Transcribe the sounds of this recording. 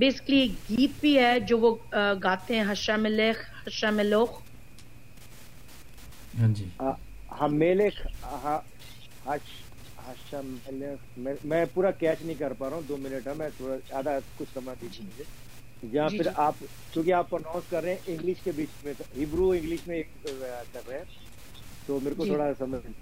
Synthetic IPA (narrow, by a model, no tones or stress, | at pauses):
beːsɪ̥kəliɡiːt̪̚bʱiɦɛd͡ʒoːʋoɡaːt̪eɦɛ̃ɦɐʃamɪleːkhɐʃameloːx | d͡ʒ | hameːlekʰɦã | hɐʃ | hɐʃamelekmeːmɛ̃ːpuːɾakɛːt͡ʃnɐɦĩkɐɾpaːɾaːɦũd̪oːmɪnəʈɦɛ̃mɛ̃ːt̪ʰoːɽaaːd̪akʊt͡ʃʰsɐmad̪iːd͡ʒĩmɪleː | d͡ʒɐɦãɪɾaːp | kjõːkiaːpːɾənãːʊnskɐɾːeɦɛ̃ʔɪ̃ŋɡlɪʃkebiːt͡ʃmẽɦɪbɾuɪ̃ŋɡlɪʃmẽːkkɐɾːeɦɛ̃ː | t̪oːmeːɾkot̪ʰoːɽasɐməd͡ʒ